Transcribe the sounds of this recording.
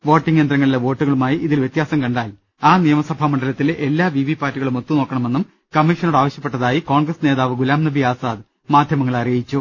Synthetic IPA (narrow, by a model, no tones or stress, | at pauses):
ʋo̞ːʈːiŋɡe̞ːnd̪rɐŋːɐɭileʋo̞ːʈːuɣɐɭumaːjiʔiðilʋjet̪jaːsɐmkɐɳɖaːl | aːnijɐmɐsɐbʱamɐɳɖɐlɐt̪ːilʔe̞lːaːʋiʋipːaːrʈːiɣɐɭumot̪ːuno̞ːkːɐɳɐme̞nːum | kɐmːiʂɐnoɽaːʋɐɕjɐpːe̞ʈːɐðaːjiko̞ːɳɡrɐsneːðaːʋɨɡulaːmnɐbʱiaːsaːd̪ | maːd̪ʱjɐmɐŋːɐɭɐrijɐjit͡ɕːu